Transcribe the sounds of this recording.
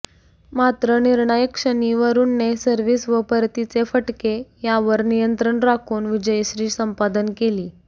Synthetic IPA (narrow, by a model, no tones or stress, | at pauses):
mat̪ɾəniɾɳajəkʂəniʋəɾuːnːesəɾʋiːsʋəpəɾt̪it͡sefəʈkejaʋəɾnijənt̪ɾəɳɾakʰuːnʋid͡ʑəjɕɾiːsəmpad̪ənkeliː